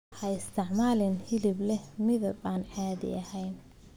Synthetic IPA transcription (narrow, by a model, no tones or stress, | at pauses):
ħɐɪst̪ʰɪʕmaːlɪnhɪlɪblɛmɪðɐbaːnʕaːðɪ̰ɐhɛjn